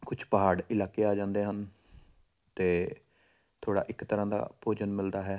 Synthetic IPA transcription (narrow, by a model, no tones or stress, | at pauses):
kʊt͡ʃʰpəɦaːɽɪlaːkeːaːd͡ʒãːnd̪eːɦən | t̪eː | t̪ʰoːɽa̰ːʔɪkt̪əɾãːd̪a̰ːpoːd͡ʒənmɪld̪aːɦɛː